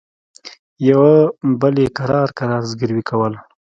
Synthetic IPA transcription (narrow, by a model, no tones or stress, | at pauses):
jawabəlekaɾɑɾkaɾɑɾzɡəɾwikʰawəl